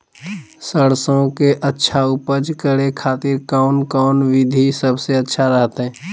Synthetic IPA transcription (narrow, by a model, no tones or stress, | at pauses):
səɽsõkeʔətːʃʰaupəd͡ʒkəɾekʰaːt̪ɪɾkaʊnkɔʊnʋɪd̪ʱisəbʱseətːʃʰaɾəɦt̪eɦɛ̃ː